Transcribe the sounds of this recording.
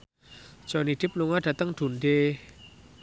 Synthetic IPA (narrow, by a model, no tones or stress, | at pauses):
t͡ʃɔnitip̚nuŋatat̪aŋt̪ʰunde